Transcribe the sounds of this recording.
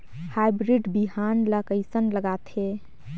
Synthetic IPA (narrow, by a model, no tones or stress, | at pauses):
hajbɾiɖbiɦanləkəɪsənləɡat̪ʰe